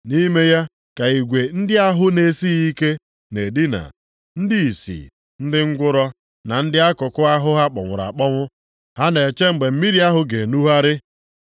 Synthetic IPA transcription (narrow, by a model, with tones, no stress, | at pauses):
ni˦me˦ja˦ | ka˨i˨ɡʷe˨n̩˦dɪ˦a˦ɦʊ˦ne˨si˦i˦ke˦ | ne˨di˦na̰˨ | n̩˦di˦i˨sḭ˨ | n̩˦dɪ˦ŋ̩˦ɡʷʊ˦ɾɔ˦ | na˨n̩˦dɪ˦a˦kʊ˨kʊ˦a˦ɦʊ˦ɦa˦k͡pɔ̰˨ŋʷʊ̰˨ɾa̰˨k͡pɔ˦ŋʷʊ˦ | ha˦ne˨t͡ʃe˦ŋ͡m̩˨ɡ͡be˨m̩˦mi˦ɾi˨˦a˦ɦʊ˦ɡe˨nu˦ɦa˦ɾɪ˦